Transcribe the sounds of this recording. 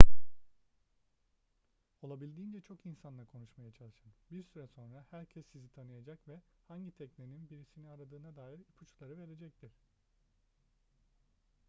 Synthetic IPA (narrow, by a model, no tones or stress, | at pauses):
o̞lˠabilʲd̪iːnd͡ʒɛt͡ʃʰo̞kinsanlˠakʰo̞nuʃmajat͡ʃʰalˠɯʃɯnbiɾsyɾɛso̞nɾahæɾcʰɛsːizit̪ʰanɯjad͡ʒakvɛhaɲɟit̪ʰɛcneninbiɾisiniaɾad̪ɯːnad̪aːjiɾipʰut͡ʃlˠaɾɯve̞ɾe̞d͡ʒɛc̚t̪ʰiɾ̥